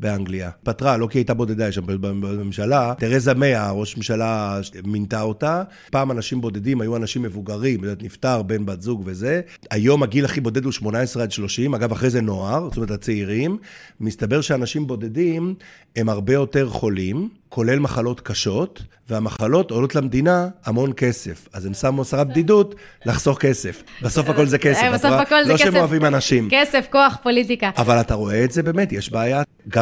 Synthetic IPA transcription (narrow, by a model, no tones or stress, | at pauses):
beaŋɡliapatʁalo̞kiajtabo̞de̞d̪ajeʃambbamemʃalateʁezame̞aʁo̞ʃmemʃalamintao̞ta | paːmanaʃimbo̞de̞dimajuanaʃimːe̞vuɡaʁimotoet̪niftaʁbe̞nbatzuɡve̞ze̞ | ajo̞maɡilaχibo̞de̞duʃmo̞naesʁeadʃlo̞ʃimaɡavaχʁezeno̞aʁtomeetat͡seiʁimːist̪abe̞ʁʃeanaʃimbo̞de̞dim | e̞maʁbe̞jo̞te̞ʁχo̞lim | kʰo̞le̞lmaχalo̞t̪kaʃo̞tveamaχalo̞tolo̞t̪lamd̪inaːmo̞nke̞se̞fazemsammoasaʁabd̪idutlaχz̥o̞χke̞sefbeso̞fako̞lzekesefsoafakolloʃeemoavimanaʃimkesefkoaχpolit̪ikaavalataʁo̞eːtzebe̞ːmetjeʃbaːja | ɡa